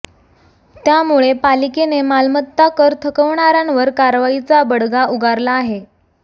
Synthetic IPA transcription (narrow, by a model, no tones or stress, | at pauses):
t̪jamuɭepalikenemalmət̪ːakəɾt̪ʰəkəʋɳaɾanʋəɾkaɾʋait͡sabəɽɡauɡaɾlaːɦe